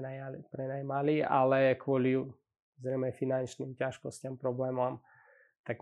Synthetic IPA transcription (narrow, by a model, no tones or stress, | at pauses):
pɾɛnajmaliːalɛkwʊɔli | zɾɛjmɛfinant͡ʃniːmcaʃkɔscampɾɔblɛːmɔm | t̪ak